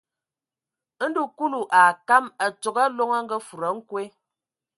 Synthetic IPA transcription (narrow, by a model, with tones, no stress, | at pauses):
n̩˦du˦˨ku˦lu˨ʔa˨ka˦mə˨t͡ʃo˨ɡa˦lo˦ŋə˦ŋ̩˦ɡə˦fu˨ɾə˨˦ŋ̩˦kwe˦